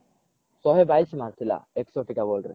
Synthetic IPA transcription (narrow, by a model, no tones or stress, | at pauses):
sɔɦebajsimaɾt̪ʰila̰eksɔʈikabɔlɾḛ